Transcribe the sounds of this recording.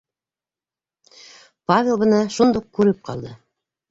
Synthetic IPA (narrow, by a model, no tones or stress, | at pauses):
pavʲelˠbɤ̆nɑʃund̪uq̚kʉɾɘp̚qʰɑ̰lˠd̪ɤ